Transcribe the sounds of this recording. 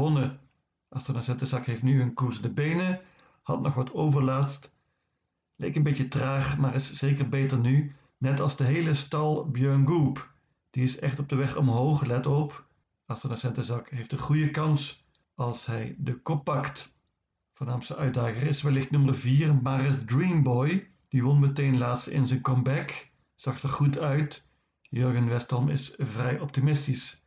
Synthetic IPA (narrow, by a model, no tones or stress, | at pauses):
ɔnə | ʔastənasɛntəzɑkɦejftnyənkuɹzəndəbejnə | hɑ̰tnɔχʋɑtʰowvəɹlaːtst | lɛ̰jkənbejtətraːχmaːrɪsz̥ejkəɹbejtəɹny | nɛtɑlˠzdəɦejləstɑlˠbjøɹnɡup | d̥iɪsɛχtɔb̚dəʋɛχɔmɦowχlɛtɔp | astənəsɛntəzɑkɦejftəχujəkɑns | ɑlˠsɦɛjdəkɔpːɑkt | v̥oːɹnaːmstəʔœɥt̚daːɣərɪsʋɛlɪxtnɵmərviːrmaːrɪsdrimbɔj | d̥iʋɔnmətejnlaːtstɪ̰nzɛjnkɔmbɛk | z̥ɑxtərχutœɥt | jøɹɡənʋɛstɔmɪ̰svrɛjʔɔp̚timɪstis